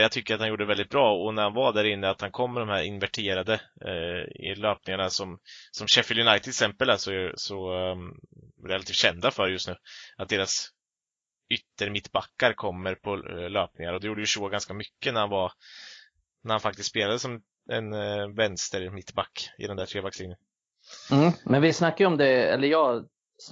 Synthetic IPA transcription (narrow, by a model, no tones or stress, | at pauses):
jat̪ʰʏkːəɾat̪hanjuːɖəɖɛvɛld̪ɪt̪bɾɑːɔnæɾhanvaɖ̪æːɾɪnːəat̪hankʰɔmːəɖɔmhæɾɪ̰nvæʈʰeːɾad̪ə | ɪ̰løːpnɪŋaɳasɔmsɔmɕɛfɪljɵnajt̪ʰɪksɛmpəlæsɔsɔ | ɾɛlat̪ʰiːft̪ɕɛnd̪afœɾjɵst̪nʉ̟ːʔat̪̚d̪eːɾas | ʏt̪ːəɾmɪt̪ːbakːaɾkʰɔmːəɾpʰɔløːp̚nɪŋaɾɔd̪ɛjuːɖəjʉʂoːɡanskamʏkːənæɾhanvaɾ | næɾhanfak̚t̪ɪst̪speːlad̪əsɔm | ɛ̰nvɛnst̪əɾmɪt̪ːbakːɪ̰d̪ɛnd̪æːʈʰɾeːbakslɪnjən | m̩mɛnvɪsnakːajəɔmd̪ɛɛ̰lːəɾjɑː